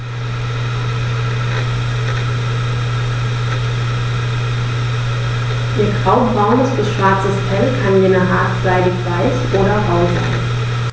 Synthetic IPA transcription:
ʔiːɐɡʁaʊbʁaʊnəsd̥əsʃv̥aɐt͡səsfɛlkʰanjeːnəɦaːtz̥aɪdɪçv̥aɪçʔoːɾɐʁaʊza̰ɪn

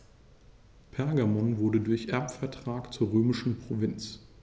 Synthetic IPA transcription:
pʰɛɐɡamɔnvʊɐdədʊɐçʔɛɐpfɛɐtʁ̥aːkt͡suːɐʁøːmɪʃn̩pʁ̥ovɪnt͡s

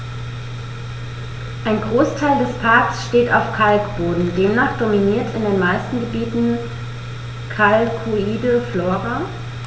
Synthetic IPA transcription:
ʔaɪnɡʁoːstʰaɪldɛspʰaɐksʃteːtaʊfkʰalkb̥oːdn̩deːmnaːχd̥ominiːɐtɪndeːnmaɪstn̩ɡəbiːtn̩ | kʰalkʰuiːdəfloːʁa

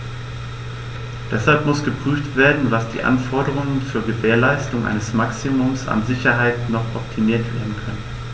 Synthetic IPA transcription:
d̥ɛshalpmʊsɡ̥əpʁ̥yːftv̥eːɐdn̩vasd̥ḭːʔa̰nfɔɐdəʁ̞ʊŋənfyːɐɡəveːɐlaɪstʊŋʔa̰ɪnəsmaksimʊmsa̰nzɪçɐɦaɪtnɔχʔɔp̚tʰimiːɐtv̥eːɐdn̩kʰœnə

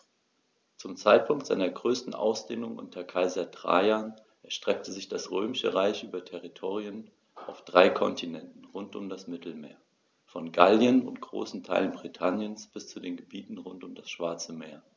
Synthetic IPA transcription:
t͡sʊmt͡saɪt̚pʰʊŋk̚tz̥a̰ɪnɐɡʁøːstn̩ʔa̰ʊsd̥eːnʊŋʔʊ̰ntʰɐkʰaɪzadʁ̥a̰aːn | ʔɛɐʃtʁ̥ɛk̚tʰəzɪçd̥asʁøːmɪʃə̰ʁaɪçʔyːbɐtʰɛʁitʰoːʁiən | ʔaʊfd̥ʁaɪkʰɔ̰ntʰinɛntn̩ʁʊntʊmdasmɪtl̩mḛːɐ | fɔnɡaljənʊ̰ntɡ̥ʁo̰ːsn̩tʰa̰ɪlənbʁitʰanjənsb̥ɪst͡sudeːnɡəbiːtn̩ʁʊntʊmdasʃv̥aɐt͡səmeːɐ

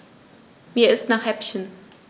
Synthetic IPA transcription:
viːɐɪstnaːχhɛpçən

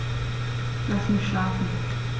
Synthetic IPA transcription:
lasmɪçʃlaːfn̩

